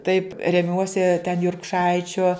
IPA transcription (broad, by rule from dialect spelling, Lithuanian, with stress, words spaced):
tɐɪp rʲɛˈmʲuɔsʲɪ tʲɛn jʊrkˈʃɐɪt͡ʃʲoː